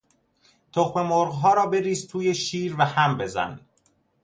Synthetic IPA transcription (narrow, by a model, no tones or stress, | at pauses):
t̪ʰoxme̞moɾɣɦɒːɾɒːbe̞ɾiːzt̪ʰuːjeʃiːɾvæhæmbe̞zæ̰n